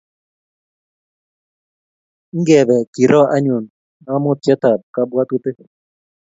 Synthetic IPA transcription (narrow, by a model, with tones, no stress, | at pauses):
ŋ̩˦ɡɛ˨bɛ˨ki˨ɾɔ˦ʔa˦ɲʊ˨n | na˦mʊ˦t̪jɛ˦t̪a˨p̚ka˦bwa˦t̪u˦t̪e˦k